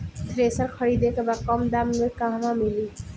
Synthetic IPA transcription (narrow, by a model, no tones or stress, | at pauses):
t̪ɾesaɾkʰɔɾid̪ekebakɔmd̪amnoekaɦmamili